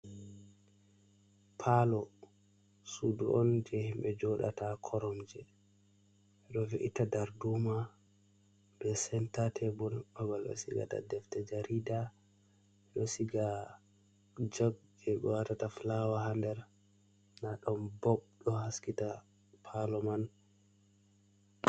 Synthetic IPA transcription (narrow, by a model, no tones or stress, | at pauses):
pʰalɔ | suduʔɔnd͡ʒɛhimɓɛd͡ʒɔɗa̰takʰɔɾɔmd͡ʒɛ | ɛɗɔviʔitadaɾduma | bɛsɛntatʰɛbɔlbabalɗɔ̰siɡa̰ta̰dɛftɛd͡ʒaɾida | ɛɗɔsiɡa | d͡ʒoɡd͡ʒɛɓɛ̰watataflawahandɛɾ | naɗɔmbɔɓɗɔhaskita | pʰalɔman